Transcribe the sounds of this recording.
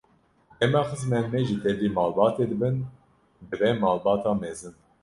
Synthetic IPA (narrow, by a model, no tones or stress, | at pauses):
ɛmɑxəzmɛnmɛʒit̪ʰɛd̪iːmɑːlbɑːt̪eːd̪ɨbɨn | d̪ɨvɛmɑːlbɑːt̪ʰɑːmɛzɨn